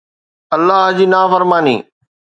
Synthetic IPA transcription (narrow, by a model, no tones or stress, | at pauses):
ɐlːaɦd͡ʑiːnaːfəɾmaːnḭː